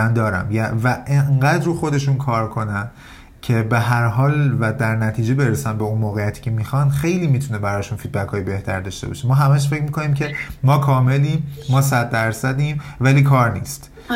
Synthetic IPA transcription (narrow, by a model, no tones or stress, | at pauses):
ænd̪ɒːɾæ̰mjævæʔeɴɢæd̪ɾruːxo̞d̪e̞ʃuːnkʰɒːɾkʰo̞næn | cʰe̞be̞ɦæɾɦɒːlvæd̪æɾnæt̪ʰiːd͡ʒe̞be̞ɾesænbe̞unmoːɣejæt̪ʰi̥ːcʰe̞mixɒnd̪xejliːmit̪ʰune̞bæɾɒːʃunfiːd̪̚bækʰɒːjebe̞ht̪ʰæɾd̪ɒːʃt̪e̞bɒ̰ʃemɒːɦæmæʃ̬fe̞cʰmikʰo̞niːmcʰe̞mɒːkʰɒːme̞limːɒːs̬æd̪ːæɾsæd̪imvæliːkʰɒːɾnḭːst̪